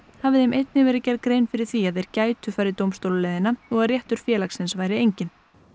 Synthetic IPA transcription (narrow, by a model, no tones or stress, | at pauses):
havɪðɪjmejt̪nɪvɛːɾɪcɛɾkɾejnfɪɾɪɾ̥θiaðejɾ̥caːjt̪ʏfaːjɾɪt̪owmst̪owlʏlɛðɪnaɔɣaðrjɛht̪ʏɾ̥fjɛːlaksɪnsvajɾɪejɲcɪn